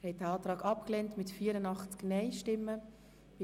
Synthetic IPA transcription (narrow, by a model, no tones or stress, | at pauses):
hɛt̚əɑːtɾɑːkɑp̚klɛntmɪtfiːɾənɑχt͡sknɛɪʃtɪmːə | b̥ɪ